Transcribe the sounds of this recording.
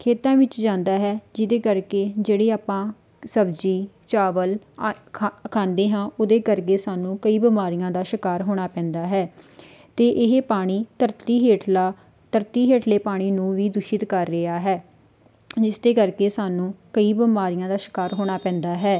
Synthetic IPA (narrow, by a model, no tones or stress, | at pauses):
kʰeːt̪ãːʋɪt͡ʃd͡ʒãːnd̪aːɦɛːd͡ʒɪd̪eːkəɾkeːd͡ʒeːɽeːaːpãː | səbd͡ʒiː | t͡ʃaːʋəlʰ | kʰãːnd̪eːɦãːod̪eːkəɾk̬eːsaːnũːkəiːbɪmaːɾijãːd̪aːʃɪkaːɾɦoːɽ̃aːpɛ̃ːnd̪aːɦɛː | t̪eːʔɪɦeːpaːɽ̃iːt̪əɾt̪iːɦeːʈlaː | t̪əɾt̪iːɦeːʈleːpaːɽ̃iːnũːʋiːd̪ʊʃɪt̪kəɾːəaːɦɛː | d͡ʒɪsd̪eːkəɾkeːsaːnũːkəiːbəmaːɾɪjãːd̪aːʃɪ̥kaːɾɦoːɽ̃aːpɛ̃ːnd̪aːɦɛː